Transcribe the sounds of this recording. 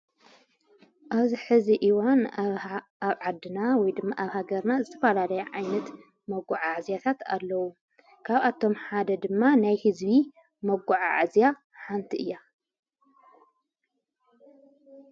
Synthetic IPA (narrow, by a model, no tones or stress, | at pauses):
ʔaβziħɨziʔiwan | aβʕad̪ːɨnawɔjd̪ɨmːaʔaβhaɡɐɾnazɨt̪ʰɐfɐlalɐjɐʕajnɐt̪ | mɐɡːuʕaʕzjat̪ʰat̪a̰lːɐwu | kʰaβʔat̪ʰo̞mħad̪ɐd̪ɨmːanajhɨzbi | mɐɡuʕa̰ʕazja | ħant̪ʰiʔɨjːa